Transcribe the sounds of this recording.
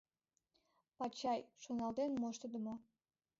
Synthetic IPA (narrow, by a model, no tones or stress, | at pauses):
pɑt͡ɕɑjʃonɑlˠd̪enmoʃt̪əd̪əmo